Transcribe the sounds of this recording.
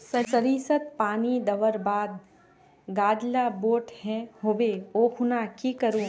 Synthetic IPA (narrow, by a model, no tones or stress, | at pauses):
sɐt͡ʃəɾiːsət̪̚paːnid̪ɐʋəɾbaːd̪ | ɡaːd̪laboːʈhɛ̃hoːʋeoːkʰʊnakikəɾũ